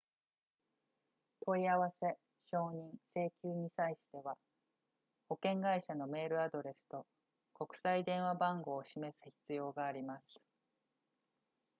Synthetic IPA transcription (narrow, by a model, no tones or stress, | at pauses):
t̪ʰo̞iaβase̞ | ɕo̞ːɲ̟ĩɰ̃se̞ːkʲɨːɲ̟isaiɕi̥t̪e̞βa | ho̞kẽ̞ŋɡaiɕano̞me̞ːɾɯ̟ad̪o̞ɾe̞sɨ̥t̪o̞ | ko̞kɯ̟̥said̪ẽ̞ɰ̃βabãŋɡo̞ːɕime̞sɨ̥çi̥t͡sɨjo̞ːɡaːɾʲimasɨ̥